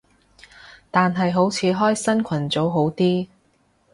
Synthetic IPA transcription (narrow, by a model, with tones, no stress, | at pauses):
t̪aː˨nɦɐ˨jɦo˨˥wt͡sʰiː˨˧˥ɦɔː˥jsɐ˥nkʰɐ˨˩nt͡so˨˥wɦo˨˥wt̪iː˥